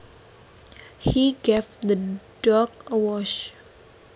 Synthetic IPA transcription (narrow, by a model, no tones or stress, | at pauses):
hiɡevd̪əd̥ɔkəwɔʃ